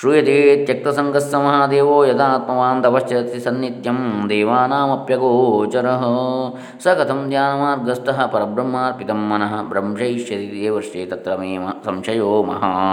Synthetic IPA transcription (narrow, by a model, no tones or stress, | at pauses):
ʃɾujɐt̪et̪jɐk̚t̪ɐsɐŋɡɐsːɐmɐɦaːd̪eːʋoːjɐd̪aːt̪̚mɐʋaːnt̪ɐʋɐʃjɐɐt̪isɐnjit̪jɐmd̪eːʋaːnaːmɐpjɐɡoːt͡ʃɐɾɐɦɐ̆ | sɐkɐt̪ʰɐmd̪jaːnɐmaːɾɡɐsʈɐɦɐ̆pɐɾɐbɾɐmːaːɾpit̪ɐmːɐnɐɦɐ̆bɾɐmʂɐiʃjɐt̪it̪eːʋɐɾʂeːt̪ɐt̪ɾɐmeːmɐsɐmʂɐjoːmɐ̰ɦɐ